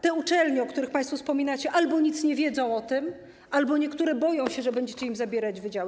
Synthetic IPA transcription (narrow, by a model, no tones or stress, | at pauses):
t̪ɛut͡ʂɛlɲɛɔkt̪uɾɘxpajst̪fɔfspɔmʲinat͡ɕɛʔalbɔɲit̪sɲɛvʲjɛd̪zɔ̃w̃ɔt̪ɘm | ʔalbɔɲɛkt̪uɾɛbɔjɔ̃w̃ɕɛʐɛbɛɲd͡ʑɛt͡ɕɛimzabʲjɛɾad͡ʑvɘd͡ʑawɘ